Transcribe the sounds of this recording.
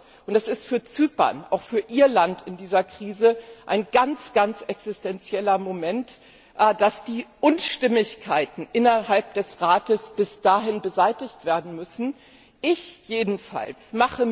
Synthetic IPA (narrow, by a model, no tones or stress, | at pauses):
ʔʊntd̥asɪstfyːɐt͡syːpɐ̰nʔa̰ʊxfyːɐʔiːɐlantɪndiːzɐkʁ̥iːzəʔaɪnɡant͡sɡ̥ant͡sʔɛksɪstɛnt͡sjɛlɐmomɛnt | ʔd̥asd̥iːʔʊnʃtɪmɪçkʰaɪtn̩ʔɪnɐɦalp̚d̥ɛsʁaːtəsb̥ɪsd̥aːɦɪnbəzaɪtɪçtv̥eːɐdn̩mʏsn̩ | ʔɪçjeːdn̩fa̰lsmaχə